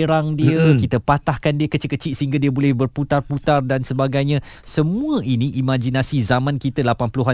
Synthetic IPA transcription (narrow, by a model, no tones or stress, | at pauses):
ɾaŋdiəkit̪əpat̪ahkandiəkət͡ʃit̪kət͡ʃiʔ̪səɦiŋɡadiəbolɛhbərput̪arput̪ardansəbaɡajɲã | səmũə̃ʔinĩʔimãd͡ʒinasizamãnkit̪əlapanpəluɦa